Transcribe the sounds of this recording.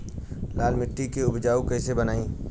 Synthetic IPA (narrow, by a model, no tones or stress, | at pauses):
laːlmɪʈːikeʊbd͡ʒaːukɛːsebənaːĩː